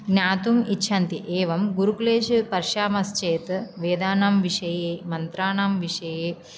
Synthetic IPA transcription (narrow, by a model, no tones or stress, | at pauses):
ɡnʲaːt̪umitːʃʰɐnt̪iʔeːʋɐmɡuɾukuleːʃipɐɾʃaːmɐst͡ʃeːt̪ʋeːd̪aːnaːmʋiʃɐjeːmɐnt̪ɾaːnaːmʋiʂɐjeː